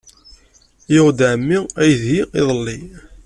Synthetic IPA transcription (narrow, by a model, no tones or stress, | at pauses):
joʁd̪ʕmːiæjðiḭðˤəlːi